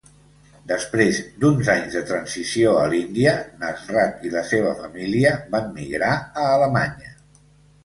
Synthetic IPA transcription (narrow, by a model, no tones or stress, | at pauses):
d̪əspɾezd̪unzaɲzðət̪ɾənzisioəlind̪iənəzrat̪iləseβəfəmiliəbamːḭɣɾaəːləmaɲə